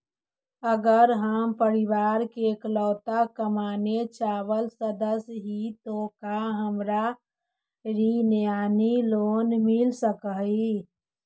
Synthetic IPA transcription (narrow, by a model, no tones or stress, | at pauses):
əɡəɾɦəmpəɾiʋaːɾkeklɔːt̪akəmaːnet͡ʃaːʋəlsəd̪əsɦit̪okaɦəmɾa | ɾinjaːniloːnmilsəkəɦi